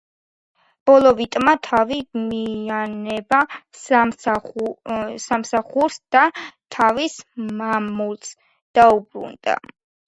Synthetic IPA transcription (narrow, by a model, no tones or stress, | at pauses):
b̥ɔlˠɔvit̪ʼmat̪ʰavimianɛbasa | samsaχuɾsd̪̥at̪ʰavismamulˠs | d̪̥aubɾṵnd̪a̰